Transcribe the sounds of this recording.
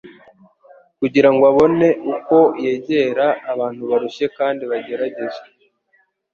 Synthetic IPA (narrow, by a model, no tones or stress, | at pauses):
kuɟiɾaŋɡoaβo̞ne̞ʔuko̞je̞ːɟe̞ɾaːβaːn̥huβaɾuʃe̞kaːndiβaɟe̞ɾaɟe̞ʒe